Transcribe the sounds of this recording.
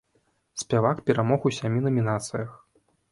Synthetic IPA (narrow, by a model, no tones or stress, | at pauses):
sʲpʲavakpʲɛɾamɔxusʲamʲinɐmʲinat̪sɨjɐx